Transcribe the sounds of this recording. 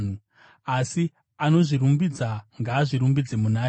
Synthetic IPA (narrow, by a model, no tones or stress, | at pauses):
n̤u | asi | ano̞ʐiɾumbid͡zaŋɡaːʐiɾumbid͡zemunaː